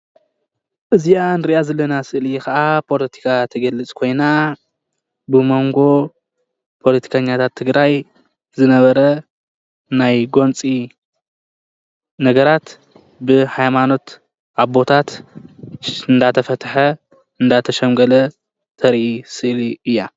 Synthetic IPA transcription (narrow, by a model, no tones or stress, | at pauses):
ʔɨzijanɨɾiʔazɐlːɐnasɨʔljɛkɐʔapʰo̞lɐt̪ʰi̥kʰat̪ʰɐɡɐlːɨt͡sʼkʰo̞jna | bɨmo̞ŋɡo̞ | pʰo̞lɐt̪ʰi̥kʰaɲːat̪ʰat̪ʰːɨɡɾaj | zɨnɐβɐɾɐ | najɡo̞nt͡sʼi | nɐɡɐɾat̪ | bɨhajmano̞t̪ | ʔaβbo̞t̪ʰat̪ | ɨnd̪at̪ʰɐfɐt̪ħɐ | ɨnd̪at̪ʰɐʃɐmɡɐlɐ | t̪ʰɐɾʔisɨʔliɨjːa̰